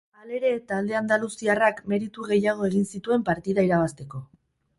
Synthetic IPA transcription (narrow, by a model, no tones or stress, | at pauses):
ale̞ɾe̞t̪aːld̪e̞and̪alusiarakme̞ɾit̪uɣe̞jaɣ̞o̞e̞ɣinsit̪ue̞mpaɾt̪iðaiɾaβ̞ast̪e̞ko̞